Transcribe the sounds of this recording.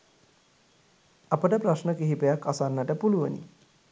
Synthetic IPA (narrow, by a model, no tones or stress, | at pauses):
apəʈəprasnəkiɦipejakːasanːaʈəpuluʋə̰nḭ